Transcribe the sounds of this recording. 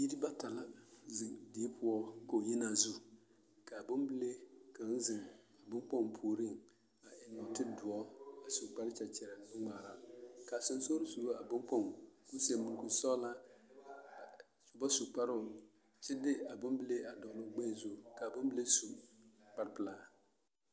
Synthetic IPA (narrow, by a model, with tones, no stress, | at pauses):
ji˦ɾi˦ba˦ta˨la˦zi˨di˨˦pʰʊ˦ɔ˦ko˨ji˦na˨zu˦ | ka˨bʊ˦mbɪ˦le˦ka˨n˦zɪ˨ŋa˨bʊ˦ŋ˦k͡pɔ˦ŋ˨pʰuː˨ɾi˦˨ŋ | a˨ʔɪ˨nːɔ˨tɪ˦dʊ˨ɔ˦a˨su˨k͡pa˦ɾɪ˦t͡ʃɛ˨t͡ʃɛ˨ɾa˨˦ŋ͡maː˨ɾa˦ka˨sʊ˨n˦so˦ɾi˦su˨ɾo˦a˨bʊ˦ŋk͡pɔ˦ŋku˦se˨mu˨ku˨sɔ˦la˦˨ | su˨bɔ˦su˨k͡pa˦ɾʊ˦˨ | t͡ʃɪ˦dɪ˦a˨bʊ˦mbɪ˦le˦a˨dɔ˨nʊ˨ɡ͡bɛ˦˨zo˨ka˨bʊ˦mbɪ˦le˦su˨k͡pa˨ɾpɪ˨la˦